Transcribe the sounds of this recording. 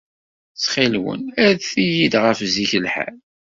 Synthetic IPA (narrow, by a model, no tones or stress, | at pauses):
sχilwə̰næðθijid̪ʁəfziçəlħæ̰l